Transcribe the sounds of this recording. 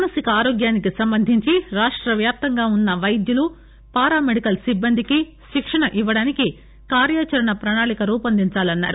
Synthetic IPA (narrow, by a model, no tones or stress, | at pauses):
nɐsikɐaːɾoːɡjaːnikisɐmbɐnd̪ʱiɲt͡ʃiɾaːʂʈɾɐʋjaːp̚t̪ɐŋɡaːunːɐʋɐjd̪julu | paːɾaːmeɽikɐlsibːɐnd̪ʱiki | ʃikʂɐɳɐʔiʋːɐɽaːniki | kaːɾjaːt͡ʃɐɾɐɳɐpɾɐɳaːɭikɐɾuːpɐnd̪ʱiɲt͡ʃaːlɐnːa̰ːɾu